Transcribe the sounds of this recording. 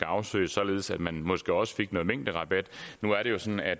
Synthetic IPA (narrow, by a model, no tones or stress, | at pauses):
ɡ̥ɑ̈ʊsø̰ɪsɒ̽le̝ːð̞̩ˠsæd̥mænmɒ̽sɡ̥e̝ɒ̽sə̥fe̝ɡ̥nɔ̽ːmeŋ̰d̥əʁɑ̈b̥æd̥nuæɐɾe̝jo̝sɒ̽næd̥